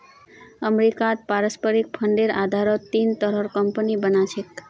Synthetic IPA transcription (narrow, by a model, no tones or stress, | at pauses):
əmɾikat̪̚paɾəspəɾik̚pʰəɳɖeɾad̪ʱaɾɔt̪ːint̪ɔɾɔɾkəmpənibənat͡ʃʰek